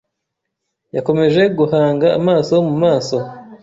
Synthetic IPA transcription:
jako̞me̞ʒe̞ɡuhaːŋɡa̰ːmaːso̞mumaːso̞

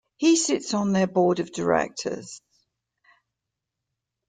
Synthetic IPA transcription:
hisɪtsn̩ðəbɔːɾəvdəɹɛ̰k̚tʰə̰z̥

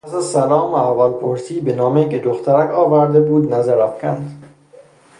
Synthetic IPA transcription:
pʰæsæzsælɒːmævælpʰoɾsiːbenɒːmeked̪oxt̪ʰæɾækʰɒːvæɾd̪ebuːd̪næzæɾæfkʰʲænd̪

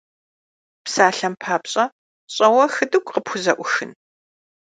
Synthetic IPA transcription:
psaːɬɐmpʰaːpɕʼɐ | ɕʼɐwɐxɨdɨɡʷʼqəpʰʷʊzɐʔʷʊxɨ̰n

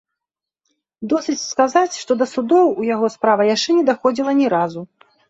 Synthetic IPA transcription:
d̪ɔsɨt͡sʲskazat͡sʲʂt̪ɔd̪ɐsud̪ɔwujaɣɔspɾavɐjaʂt͡ʂɛnʲɛd̪axɔd͡zʲilˠɐnʲɛɾazu

